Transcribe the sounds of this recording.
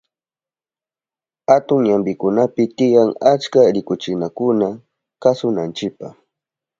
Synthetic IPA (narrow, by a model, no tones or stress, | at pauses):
hat̪ʊŋɲambɪkʊnapɪt̪ɪjaŋat͡ʃkaɾɪkʊt͡ʃɪnakʊna | kasʊnant͡ʃɪpaχ